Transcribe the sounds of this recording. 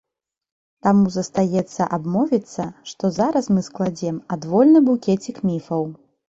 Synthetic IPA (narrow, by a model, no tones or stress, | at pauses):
t̪amuzɐst̪ajɛt̪sːɐʔabmɔvʲit̪sːɐʂt̪ɔzaɾɐsmɨsklˠad͡zʲɛmad̪vɔlʲnɨbukʲɛt͡sʲikmʲifɐw